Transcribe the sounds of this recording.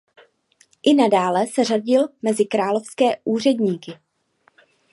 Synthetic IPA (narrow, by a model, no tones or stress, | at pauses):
ʔɪnadaːlɛsɛraɟɪlmɛzɪkɾaːlofskɛːʔuːr̝ɛdɲiːkɪ